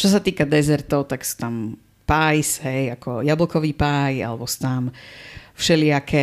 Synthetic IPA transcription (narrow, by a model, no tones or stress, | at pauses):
t͡ʃɔs̬at̪iːkad̪ɛzɛɾt̪ɔʊt̪akst̪am | paːjsɦɛjakɔ̰jablɔkɔʋiːpaːja̰lɛbɔst̪amfʃɛlɪakʰɛ